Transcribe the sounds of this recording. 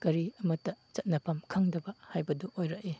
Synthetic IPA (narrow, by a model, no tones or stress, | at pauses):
kɐɾiɐmɐtːɐt͡ʃɐt̚nɐpʰamkʰaŋdɐbɐhajbɐduʔojɾɐk̚e